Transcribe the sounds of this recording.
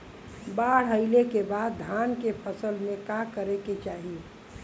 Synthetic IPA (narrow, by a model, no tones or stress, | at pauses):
baːɽ̤ɦəɪlekebaːd̪ːʱaːnkepʰəsəlmẽkakəɾeket͡ʃaːɦie